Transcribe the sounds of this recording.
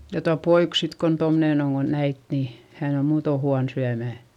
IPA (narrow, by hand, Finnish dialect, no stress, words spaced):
jɑ tuɑ poik sit kon tomneˑn oŋ ko næit ni hæn o muːto huɑn syæmæˑ